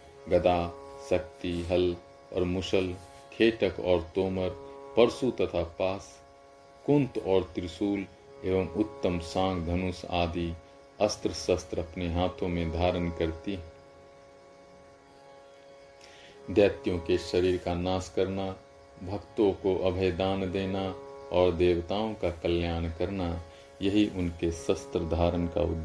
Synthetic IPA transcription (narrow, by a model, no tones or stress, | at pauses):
ɡɐd̪aːsɐk̚t̪iɦɐl | ɔ̰ːɾmʊʃəl | kʰeːʈəkɔːɾt̪oːməɾpəɾsut̪ɐt̪ʰapaːs | kʊ̃nt̪ɔːɾt̪ɪɾsuːl | eːʋəmʊt̪ːəmsãːɡd̪ʱɐnʊsa̰ːd̪ʱi | ɐst̪ɾəsəst̪ɾɐpneɦaːt̪ʰõmẽd̪ʱaːɾənkəɾt̪iɦ | d̪jaːt̪jõkeʃəɾiːɾkanaːskəɾna | bʱəkt̪õkoʔɐbʱəjd̪aːnd̪eːnaɔːɾd̪eːwt̪aːõkakəljaːnkəɾna | jəɦiʔʊnkesəst̪ɾəd̪ʱaːɾənka̰ʊ̰d̪ː